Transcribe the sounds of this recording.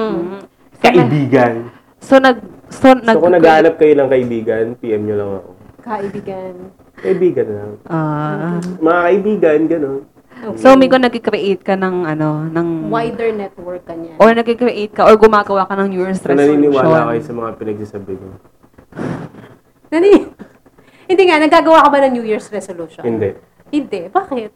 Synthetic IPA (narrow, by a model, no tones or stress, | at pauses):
kɐʔɪbiːɡɐn | sonɐɡ̚sonɐokonɐɡaanɐp̚kɐjonɐŋkɐʔɪbiːɡɐnpiʔɛmɲolɐŋɐ̰ko̰kɐʔɪbiːɡɐn | kɐʔɪbiːɡɐnlɐŋʔa | mɐŋakɐʔɪbiːɡɐnɡɐno̞n | somɛɡkonɐɡ̚kɪkɾɪʔejt̪̚kɐnɐŋʔɐno̞nɐŋwajd̪ɛɹnɛt̪̚wɛɹk̚ːɐɲaʔoɹnɐɡ̚kikɾɪʔejt̪̚kɐʔoɹɡʊmaːɡɐwakɐnɐŋnjujɛɹsɾɛnɐniːnɪwaːlakɐjʊsɐmɐŋapɪnɐɡ̚sasɐbɪɲo | nɐni | hɪnd̪ɛŋanɐɡaːɡɐwakɐbanɐŋnjuːjiɹsɾɛsoluʃohɪnd̪ɛ | hɪnd̪ɛʔbaːkɪt̪̚